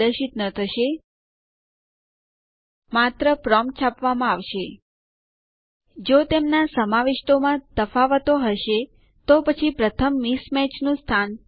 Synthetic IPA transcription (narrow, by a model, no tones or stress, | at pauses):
əʃit̪nət̪ʰəʃe | mat̪ɾəpɾɔmt͡ʃʰapʋamãaʋʃe | d͡ʒot̪emnasəmaʋɪʃʈomãt̪əfaʋət̪oɦəʃe | t̪opət͡ʃʰipɾət̪ʰəmːismɛt͡ʃnũst̪ʰan